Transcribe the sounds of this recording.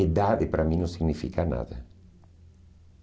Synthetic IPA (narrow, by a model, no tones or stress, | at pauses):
ed̪ad̪epɾaminusiɡnifikana̰ðḛ